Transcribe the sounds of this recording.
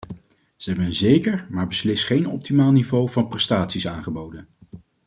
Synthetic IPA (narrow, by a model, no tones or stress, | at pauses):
z̥əɦɛbənənzejkəɹmaːɹbəslɪsχejnɔp̚timaːlˠnivowvɑnprɛstaːtsisaːnχəbowdən